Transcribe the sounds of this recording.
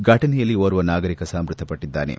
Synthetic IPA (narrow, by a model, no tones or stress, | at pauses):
ɡʱɐʈɐnɛjɐlːioːɾuʋɐnaːɡɐɾikɐsaːmɾut̪ʰːɐpɐʈːid̪ːa̰ːnḛ